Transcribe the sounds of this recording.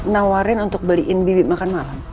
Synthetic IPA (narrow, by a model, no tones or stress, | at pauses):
nawaɾɪnunt̪ʊk̚bəliʔɪnbibimakanmalam